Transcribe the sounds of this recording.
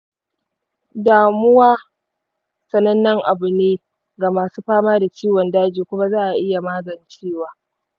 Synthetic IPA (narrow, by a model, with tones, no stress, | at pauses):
daː˨mʊ˦waː˦ | sɐ˦˨nɐ˦nːɐ˦ŋʔa˨bʊ˨neː˦ | ɡa˨maː˨suː˦ɸaː˦maː˦da˨t͡ʃiː˦wɔ˨ndaː˦d͡ʒiː˨kʷʊ˦ma˦zaː˦ʔa˨ʔɪ˦ja˨maː˦zɐ˨nt͡ʃiː˦waː˨